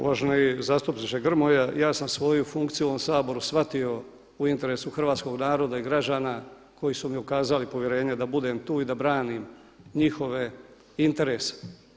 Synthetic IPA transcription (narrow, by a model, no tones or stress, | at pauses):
ṵʋaʒnoizast̪upnit͡ʃeɡr̩mojajaːsamsʋo̞jufuŋkt̪sijuʋomsaːbo̞ɾusʋat̪io̞ | uint̪e̞ɾe̞suxr̩ʋaːt̪sko̞ɡnaːɾo̞d̪aiɡɾad͡ʒaːna | kʰo̞jisumiukaːzalipo̞ʋjeɾe̞ːɲed̪abud̪e̞mt̪uːid̪abɾaːnim | ɲixo̞ʋe̞ | int̪e̞ɾe̞ːse̥